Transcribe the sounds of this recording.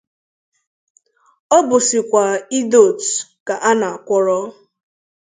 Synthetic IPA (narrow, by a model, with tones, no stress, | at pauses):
ɔ˦bʊ˨sɪ˨kʷa˨i˦do˨tka˨ʔa˦na˨a˨kʷɔ˦ɾɔ˦